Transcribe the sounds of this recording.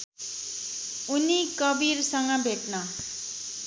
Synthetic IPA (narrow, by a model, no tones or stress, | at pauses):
unikʌbiɾsʌŋɡʌbʱeʈnʌ